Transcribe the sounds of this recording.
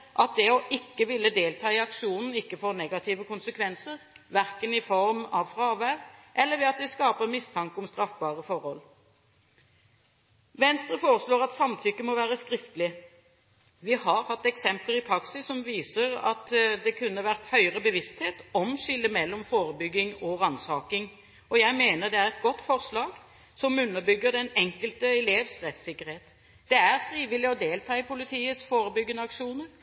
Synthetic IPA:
ʔɑt̪̚d̪ɛɔʔɪkːəʋɪlːəd̪eːlt̪ʰɑːɪɑkʂuːnn̩ɪkːəfɔʁnɛɡɑt̪ʰiːʋəkʰʊnsəkʰʋɛnsəʁʋæʁkənɪfɔʁmɑʋfʁɑːʋæʋʔɛlːəʁʋɛɑt̪̚d̪ɛskɑːpəʁmɪst̪ʰɑŋkəɔmst̪ɾɑfbɑːʁəfɔɾhɔl | ʋɛnst̪ʁəfoːʁəsloːʁɑt̪sɑmt̪ʰʏkːəmɔʋæːɾəskʁɪft̪əlɪ | ʋɪhɑɾhɑt̪ːɛksɛmpəlɪpʰɾɑksɪssɔmʋiːsəɾɑ̰t̪d̪ɛkʰʉnːəʋæʁt̪hœʏəʁəbəʋɪst̪heːt̪ɔmʃʏlːəmɛlːɔmfoːɾəbʏɡːɪŋɔɾɑnsɑːkɪŋ | ɔjæɪmeːnəʁd̪ɛæɾɛt̪̚ɡɔt̪ːfɔʁslɑːɡ | sɔmʉnːəɾbʏɡːəɾd̪ɛnɛŋkəlt̪əɛleːʋsʁɛt̪sɪkːəɾheːt̪ | d̪̥ɛæɾfɾiːʋɪlːɪɔd̪eːlt̪ʰɑːɪpʊlɪt̪ʰiːət̪sfoːɾəbʏɡːənəɑkʂuːnəɾ

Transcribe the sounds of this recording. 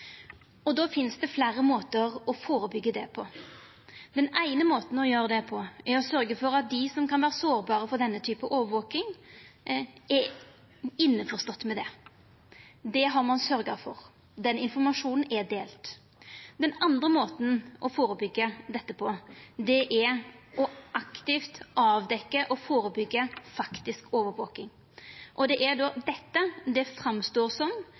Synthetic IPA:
ɔd̪oːfɪnsd̪ɛflæːɾəmoːt̪əɾɔfoːɾəbʏɡːəd̪ɛpʰɔ | d̪ɛnæɪnəmoːt̪n̩ɔjøːɾəd̪ɛpʰɔɛɾɔsœɾɡəfɔɾɑt̪̚d̪ɪsɔmkɑnʋæːɾəsoːɾbɑːɾəfɔʁd̪ɛnːət̪ʰyːpəʔoːʋəʋoːkɪŋ | ɛ | ɪnːəfɔʁst̪ɔt̪ːmɛd̪ɛ | d̪ɛɦɑɾmɑnsœɾɡɑfɔɾ | d̪ɛnɪnfɔɾmɑʂuːnn̩ɛɾd̪eːlt̪ | d̪ɛnɑnd̪ʁəmoːt̪nʔɔfoːɾəbʏɡːəd̪ɛt̪ːəpʰɔd̪ɛʔæʔɔʔɑkt̪ɪft̪ɑːʋd̪ɛkːəʔɔfoːɾəbʏɡːəfɑkt̪ɪskoːʋəɾʋoːkɪŋ | ʔɔd̪ɛʔæɾɖ̪oːd̪ɛt̪ːəd̪ɛfɾɑmst̪oːɾsɔm

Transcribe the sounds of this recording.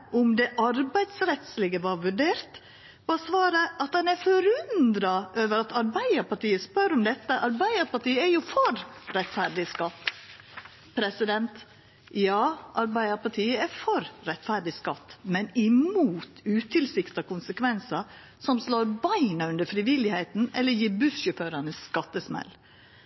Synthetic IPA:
ʔʊmd̪ɛʔɑɾbæɪd̪sɾɛt̪slɛːɡəʋɑːɾʋʉɖeːɾt̪ | ɑsʋɑːɾəʔɑt̪dɑnæɾfɔɾʉnd̪ɾɑʔøːʋəɾɑt̪ɑɾbæɪəɾpɑʈiːəspœɾʊmd̪ɛt̪ːəʔɑɾbæɪəɾpɑʈiːəæjʊfɔɾɾɛt̪fæɾɖɪskɑt̪ː | pʰɾɛsɪd̪ɛnt̪ | jɑːʔɑɾbæɪəɾpɑʈʰiːəɛɾfɔɾɾɛt̪fæɾɖɪskɑt̪ːmɛnɪmuːt̪ʉːt̪ʰɪlsɪkt̪ɑkʊnsəkʰʋɛnsɑ | sɔmsloːɾbɑɪnɑʉnd̪əfɾɪʋɪlɪhæɪt̪n̩ɛ̰lːəjiːɾbʉsjøføːɾɑnəsːkɑt̪ːəsmɛ̰l

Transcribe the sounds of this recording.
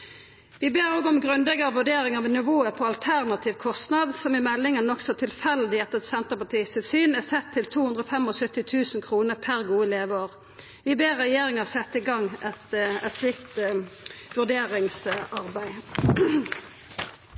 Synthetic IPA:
ʋɪbeːʁoːɡɔmɡʁʉnd̪ɛɡəʁʋʉɖeːɾɪŋɑʋnɪʋoːəpʰɔɑlt̪ʰæʁnɑt̪ʰiːʋkʰɔst̪nɑd̪sɔmɪmɛlːɪŋənɔksɔt̪ʰɪlfɛld̪ɪɛt̪ːəɛt̪sɛnt̪əʁpɑt̪ʰiːsɪsyːnɛsɛt̪ʰːɪlt̪ʰuːʉnd̪ʁɔfɛmɔsœt̪ːɪt̪ʰʉːsnkʰʁuːnəʁpʰæʁɡuːəleːʋəoːʁ | ʋɪbeːʁʁɛjeːʁɪŋəsɛt̪ːɪɡɑŋːʔɛt̪ɛt̪slɪkt̪ | ʋʉʁd̪eːʁɪŋsʔɑʁbæɪ

